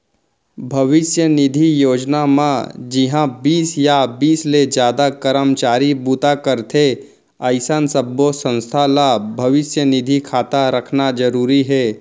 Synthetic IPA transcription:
bʱɐʋɪsjənɪd̪ʱijoːd͡ʒnamã̰d͡ʒɪɦãbiːsjabiːsled͡ʒjaːd̪akəɾəmt͡ʃaːɾibut̪akəɾt̪ʰe | əɪsənsəbːosə̃nst̪ʰalabʱɐʋɪsjənɪd̪ʱikʰaːt̪aɾəkʰnad͡ʒəɾuːɾiɦɛː

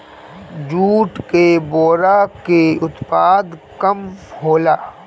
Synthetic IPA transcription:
d͡ʒuːʈkeboːɾakeʊt̪paːd̪kɐmhoːlaː

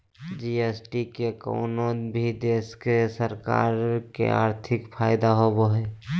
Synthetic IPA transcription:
d͡ʒiesʈikeko̰ʊnobʱid̪eːskesəɾka̰ːɾkḛa̰ːɾt̪ʰɪkpʰaːɪd̪aɦoboɦɛ

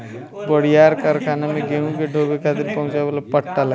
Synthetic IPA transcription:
bəɽ̤ijaːɾkəɾkʰaːnemẽɡeɦũkeɖʱoːbekad̪ɪɾpɐ̃ɦʊ̃t͡ʃabəlapəʈʰt̪al

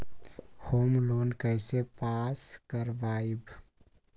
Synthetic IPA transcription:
hoːmloːnkəɪsepaːskəɾʋaːib

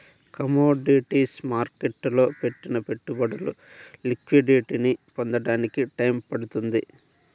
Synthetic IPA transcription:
kɐmoːɖiʈiːsmaːɾkeʈːlo̞ːpe̞ʈːinɐpe̞ʈːubɐɽulṵ | likʋiɖiʈinipond̪ɐɽaːnikiʈɐjmpɐɽut̪und̪i

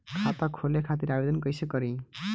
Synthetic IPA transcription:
kʰat̪ɔkʰolekʰat̪iɾabed̪ɔnkɔjsəkɔɾi

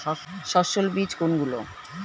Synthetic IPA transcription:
ʃɔʃolbid͡ʑkonɡulo̰

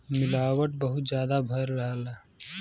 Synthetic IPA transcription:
mɪlaːwəʈ̚bəɦut̪d͡ʒjaːd̪abʱəɾːəɦəla

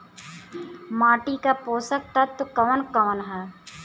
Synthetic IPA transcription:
maːʈikapoːsək̚t̪ɐt̪ːkɐʋənkɐʋənɦɛː

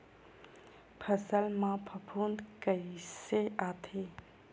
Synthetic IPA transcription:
pʰəsəlmãpʰəpʰuːnd̪kəɪseaːt̪ʰe

